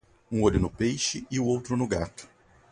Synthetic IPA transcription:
ũoʎʊnʊpejʃɪɪʊowt̪ɾʊnʊɡat̪ʊ̥

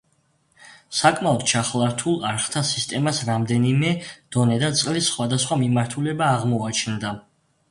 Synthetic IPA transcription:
sakʼmaɔd̪̥̚t͡ʃʰaχlˠaɾt̪ʰulˠaɾχt̪ʰasist̪ʼɛmasɾamd̪ɛnimɛd̪̥ɔnɛd̪at̪sʼqʼlisːχwad̪asχwamimaɾt̪ʰulɛbaːʁmɔat͡ʃʰnd̪a

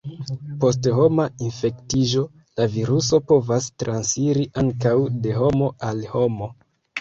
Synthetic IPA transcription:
po̞s̬tho̞mainfe̞ktiʒo̞ | laviɾuso̞po̞vastɾʔansiɾiʔaŋkawde̞ɦo̞mo̞alho̞mo̞

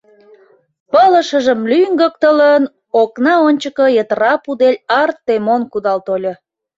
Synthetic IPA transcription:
pələ̆ʃəʒəmlyŋɡək̚t̪ələn | oknɑonʲt͡ɕəkəjət̪rɑpud̪elʲɑrt̪ːemonkud̪ɑlt̪olʲə

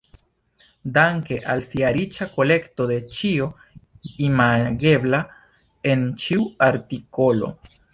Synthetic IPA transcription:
d̪aŋke̞ʔalsiaɾit͡ʃako̞le̞kt̪o̞d̪e̞t͡ʃio̞ | imaɡe̞bla | ent͡ʃiuaɾt̪ikolo̞̰

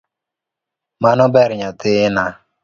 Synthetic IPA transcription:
manɔbɛɾɲat̪ɪna

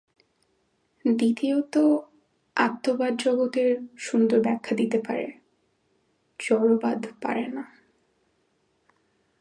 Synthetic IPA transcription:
d̪it̪iot̪o | at̪ːobad̪d͡ʑɔɡot̪eɾʃund̪oɾbɛkʰːad̪it̪epa̰ɾḛ | d͡ʑɔɾobad̪pa̰ɾena

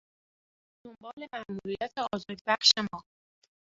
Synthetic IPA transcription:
d̪̥o̞mbɒːle̞mæʔmuɾijæt̪ʰeɒːzɒːd̪bæχʃemɒː

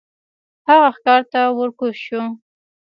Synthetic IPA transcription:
haɣaxkɑɾt̪awəɾkoʃu

